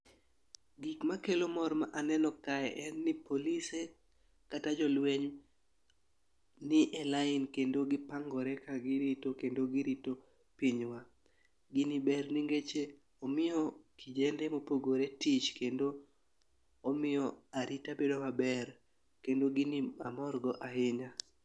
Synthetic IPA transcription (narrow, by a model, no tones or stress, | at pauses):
ɡikmakelomɔrmaʔanɛnɔkaɛʔɛnːipolise | katad͡ʒɔlweɲ | nɪʔɛlaɪnkendoɡɪpaŋɡɔɾɛkaɡɪɾitokendoɡɪɾito | piɲwa | ɡɪnibɛrniŋɡet͡ʃe | ɔmɪjɔkid͡ʒenemopoɡoɾetit͡ʃkendo | mɪjɔaɾitabedomabɛɾ | kendoɡɪnia̰mɔrɡɔʔaɦɪɲa